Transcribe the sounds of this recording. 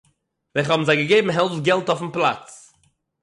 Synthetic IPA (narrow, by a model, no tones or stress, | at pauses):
vɛɪχhɔbm̩zaɪɡəɡeɪbm̩ɦɛlˠfɡɛlˠtɔfn̩plˠa̰t͡s